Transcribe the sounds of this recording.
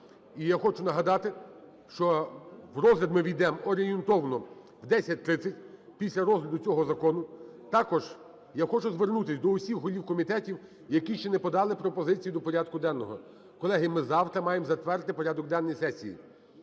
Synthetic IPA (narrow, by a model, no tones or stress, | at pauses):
ijaxɔt͡ʃʊnɐɦɐd̪ɑt̪ɪ | ʃt͡ʃɔwrɔzɦlʲɐd̪mɪʋʲijd̪ɛmɔɾʲɪjɪnt̪ɔwnɔ | wd̪ɛsʲɐt̚ʲt̪ɾɪt̪sʲɐtʲpʲisʲlʲɐɾɔzɦlʲɐd̪ʊt͡sʲɔɦɔzɐkɔnʊt̪ɑkɔʒ | jaxɔt͡ʃʊzʋernut̪ɪsʲd̪ɔʊsʲixɦɔlʲiwkɔmʲit̪ɛtʲiw | jɐkʲiʃt͡ʃɛnɛpɔd̪ɑlˠɪpɾɔpɔzɪt͡sʲijid̪ɔpɔɾʲad̪̚kʊd̪ɛnːɔɦɔ | kɔlˠɛɦɪmɪzɑwt̪ɾɐmɑjemzɐt̪ʋɛrt̪ɪpɔɾʲad̪ɔk̚d̪ɛnːɔjisɛsʲḭjḭ